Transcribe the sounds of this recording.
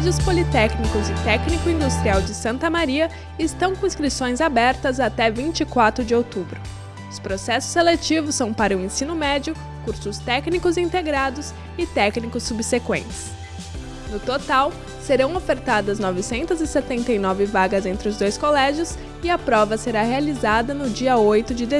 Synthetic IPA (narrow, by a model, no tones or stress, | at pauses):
ʒʊspolit̪ɛknikʊzɪt̪ɛknikʊĩnd̪ust̪ɾiawd͡ʒɪsɐ̃nt̪ɐmaɾiɐ | ɪst̪ɐ̃w̃kõĩskɾisõj̃zabɛɾt̪ɐzat̪ɛvĩnt͡ʃikwat̪ɾʊd͡ʒɪowt̪ubɾʊ | ʊspɾosɛsʊ̥selet͡ʃivʊsːɐ̃w̃paɾɐʊẽsĩnʊmɛd͡ʒʊ | kuɾsʊst̪ɛknikʊzĩnt̪eɡɾad̪ʊs | ɪt̪ɛknikʊsːubsekwḛ̃nt͡ʃɪ̥s | nʊt̪ot̪aw | seɾɐ̃w̃ofeɾt̪ad̪ɐznɔvɪsẽnt̪ɐzɪset̪ẽnt̪ejnɔvɪvaɡɐzẽnt̪ɾɪʊzd̪ojskolɛʒjʊs | ɪɐpɾɔvɐseɾahealizad̪ɐnʊd͡ʒiɐojt̪ʊd͡ʒɪd̪e